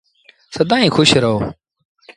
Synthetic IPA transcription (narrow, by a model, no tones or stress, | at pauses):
səd̪aːĩːxʰʊʃɾəɦoː